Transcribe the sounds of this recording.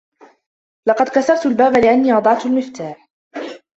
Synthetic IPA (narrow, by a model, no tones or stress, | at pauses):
lɑqɑd̪kasɑbt̪albaːbalɪʔanːiːʔɑd̪ˤɑʕt̪almɪft̪aːħ